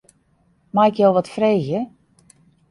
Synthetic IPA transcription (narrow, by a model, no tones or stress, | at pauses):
majkjolˠʋɔtfreːɣjə